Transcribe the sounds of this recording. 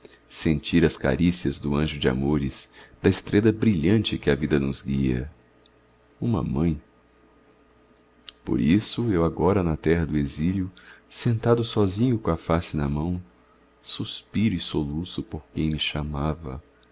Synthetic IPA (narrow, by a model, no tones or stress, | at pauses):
sẽnt͡ʃiɾɐska̰ɾisiɐzd̪ʊɐ̃ʒʊd͡ʒɪa̰moɾɪsd̪ɐɪst̪ɾʔed̪ɐbɾiʎɐ̃nt͡ʃɪkɪɐvid̪ɐnʊzɡiɐ̰ | ũmɐ̰mɐ̃j̃ | po̰ɾisʊewaɡɔɾɐnɐt̪ɛɦɐd̪ʊeziljʊsẽnt̪ad̪ʊsɔzĩɲʊkõɐfasɪnɐmɐ̃w̃ | suspiɾʊɪsolusʊpoɾkẽj̃mɪʃamavɐ̰